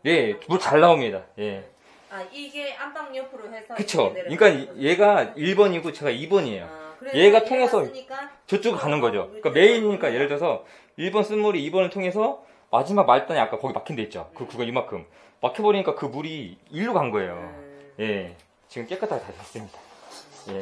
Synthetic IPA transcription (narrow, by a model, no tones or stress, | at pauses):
je̞muɭt͡ɕaɭːaomɲidaje̞ | kɯt͡ɕʰoik͈anje̞ɡaiɭbʌɲiɡot͡ɕe̞ɡaibʌɲie̞̰jo̰je̞ɡatʰoŋe̞sʰʌt͡ɕot͡ɕ͈uɡɯɭkanɯnɡʌd͡ʑok͈ame̞iɲiɲik͈ajeɾɯɭʰʌsʰʌ | iɭbʌns͈unmuɾiːbʌnɯɭtʰoŋe̞sʰʌ | mad͡ʑimaɡ̚maɭt͈aniak͈akʌɡimakʰindet̚t͡ɕ͈o̰kɯkɯɡʌimakʰɯm | makʰjʌbʌɾiɲik͈akɯmuɾiːɭːuɡaŋɡʌe̞̰jo̰je̞ | t͡ɕiɡɯmk͈e̞k͈ɯtʰaɡetapas͈ɯmɲid̥aje̞